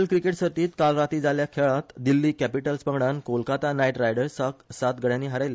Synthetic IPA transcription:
lkɾikeʈsəɾt̪iːt̪kalɾat̪iːd͡zaljakʰeɭat̪d̪ilːiːkæpiʈəlspəɡɽankolkat̪anajʈɾajɽəɾsasat̪ɡəɽjãnːiːɦaɾajle

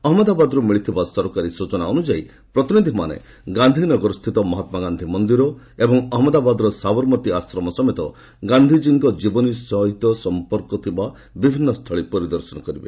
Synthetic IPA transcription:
ɔɦmɔd̪abad̪ɔɾumiɭit̪ʰibasɔɾkaɾisut͡ʃɔnaɔnud͡ʒai | pɾɔt̪inid̪ʱimanḛ | ɡand̪ʱinɔɡɔɾɔst̪ʰit̪ɔmɔɦat̪maɡand̪ʱimɔnd̪iɾɔ | ebɔŋɔɦmɔd̪abad̪ɔɾɔsabɔɾmɔt̪iasɾɔmɔsɔmet̪ɔ | ɡand̪ʱid͡ʒiŋɡɔd͡ʒibɔnisɔɦit̪ɔsɔmpɔɾkɔt̪ʰiba | bibʱinːɔst̪ʰɔɭipɔɾid̪ɔɾsɔnɔkɔɾibḛ

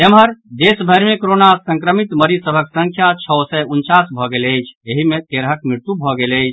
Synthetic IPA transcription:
emɦəɾd̪esbʱəɾmekoɾonasə̃ŋkɾəmit̪məɾisəbʱəksəŋkʰjat͡ʃʰəsɛunt͡ʃasbʱɔɡeləjt͡ʃʰeɦimek̪eɾɦəkmɾiɾt̪ubʱɔɡeləjt͡ʃʰ

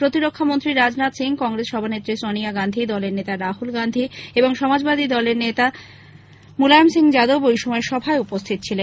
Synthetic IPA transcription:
pɾot̪iɾokʰːamont̪ɾiɾad͡ʑnat̪siŋkɔŋɾesʃɔbʱanet̪ːɾisoniaɡand̪ʱid̪ɔleɾnet̪aɾaɦulɡand̪ʱieboŋʃɔmad͡ʑbad̪ʱid̪ɔleɾnet̪a | mulajomsiŋd͡ʑad̪obojʃɔmɔeʃɔbʱaeupost̪ʰit̪̚t͡ɕʰilen

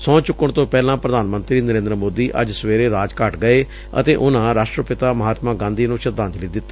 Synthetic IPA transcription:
sɔ̃ːt͡ʃʊkːəɳt̪õːpɛːlãːpɾəd̪aːnmənt̪ɾiːnəɾẽːnd̪ɾəmoːd̪iːʔə̰d͡ʒseːɾeːɾaːd͡ʒkəʈɡəeː | ə̰t̪eːʔʊnãːɾaːʃʈɾəpɪt̪aːməɦaːt̪mãːɡãːnd̪iːnũːʃəd̪ãːnt̪liːd̪ɪt̪ːḁ

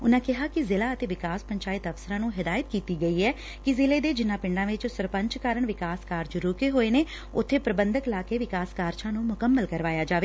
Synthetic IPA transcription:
ʊnãːkɪɦaːkɪzɪlaːət̪eːʋɪkaːspəɲt͡ʃaːɪt̪əfsəɾãːnũːɦɪd̪aːjət̪kiːt̪iːɡəiːɛː | kɪzɪleːd̪eːd͡ʒɪnːãːpɪɳɖãːʋɪt͡ʃsəɾpə̃ɲt͡ʃkaːɾəɳʋɪkaːskaːɾd͡ʒɾoːkeːɦoːeːneː | ʊt̪ʰːeːpɾəbənd̪əklaːkeːʋɪkaːskaːɾd͡ʒãːnũːmʊkəmːəlkəɾʋaːjaːd͡ʒaːʋeː

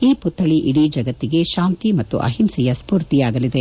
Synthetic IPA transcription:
iːput̪ʰːɐɭiʔiɽid͡ʒɐɡɐt̪ːiɡe̞ʃaːnt̪imɐt̪ːṵʔɐ̰ɦimsɛjɐspuːɾt̪ijaːɡɐlid̪e

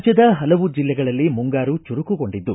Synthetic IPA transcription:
t͡ʃɐd̪ɐɦɐlɐʋud͡ʒilːɛɡɐɭɐlːimuŋɡaːɾut͡ʃuɾukuko̞ɳɖid̪ːu

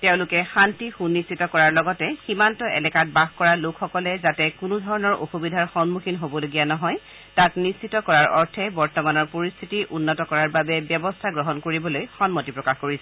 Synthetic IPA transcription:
teʊ̃lʊkɛxantixunːistːitɔkɔɹaɹlɔɡɔtɛximantɔʔɛ̰lɛkat̚baxkɔɹalokʰxɔkɔlɛzatɛkʊnudʱɔɹɔnɔɹo̰xubidʱaɹxɔnmuxinɦobɔloɡijanɔɦɔj | tatnistːitɔkɔɹaɹɔɹtʰɛbɔɹtɔmanɔɹpoɹist̪ʰitiʔunːɔtɔkɔɹaɹbabɛbjɔbɔstʰaɡɹɔɦɔnkoɹibɔlojxɔnmotipɹɔkaxkoɹisɛ

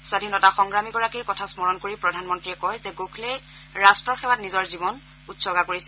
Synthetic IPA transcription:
swadʱinɔtaxɔŋɡɹamiɡɔɹakiɹkɔtʰasmɔɹɔnkoɹipɹɔdʱanmɔntɹiɛkɔjzɛɡokʰlɛ | ɹastɹɔɹxɛwatnizɔɹzibɔn | utsɔɡakoɹisɛ

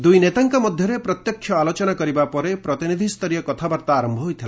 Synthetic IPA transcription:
d̪ujnet̪aŋkɔmɔd̪ʱjɔɾepɾɔt̪jɔkʰjɔalot͡ʃɔnakɔɾibapɔɾepɾɔt̪inid̪ʱist̪ʰɔɾijɔkɔt̪ʰabaɾt̪aːɾɔmbʱɔɦojt̪ʰila

